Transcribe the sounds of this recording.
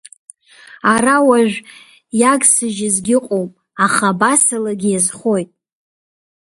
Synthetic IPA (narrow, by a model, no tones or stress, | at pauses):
aɾawaʒᶣʷ | jaɡʼsɨʒɪzɡʲɪqʼowpʼ | aχabasalaɡʲɪjazχo̞jtʼ